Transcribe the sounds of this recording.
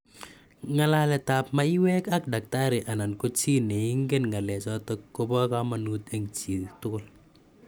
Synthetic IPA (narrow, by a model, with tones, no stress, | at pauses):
ŋa˨la˦lɛ˨ta˨p̚ma˦i˦wɛ˦ka˦k̚da˨k̚ta˦ɾɪ˨ʔa˨na˨nko˦t͡ʃi˦nɛ˨i˦ŋɡe˦nŋɡa˨lɛ˨t͡ʃɔ˦tɔkːo˦pɔ˦ka˦ma˨nu˦t̪ɛ˦ŋt͡ʃi˨tʊ˦kʊl